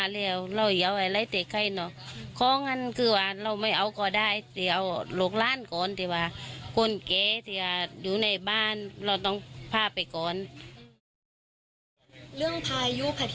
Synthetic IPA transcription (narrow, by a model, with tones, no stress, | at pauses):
lɛː˧˩˨wla˧˨whi˨˦ə˨wʔa˧˩la˧˥˨jt̪ɛː˨˩kʰa˧˩˨jnɔ˧˨kʰɔː˧˥˨ŋːa˧˥˨nkʰɯː˧˩waː˧˩la˧˩wma˧˩jʔa˨˦wkɔː˧˩daː˧˩˨jt̪ɛː˨˩ʔa˧˩wlo˧˦k̚laː˧˥˨nkɔː˨nt̪ʰɛː˧˩waː˧ko˧˥˨nkɛː˧˩t̪ʰɛː˧waː˧˩juː˧˦na˧˩jbaː˧˥˨nla˧˩wt̪ɔ˧˩˨ŋpʰaː˧˨pa˨˩jkɔː˨n | lɯ˥˩˨əŋpʰaː˧jjuː˧˨pʰa˧˩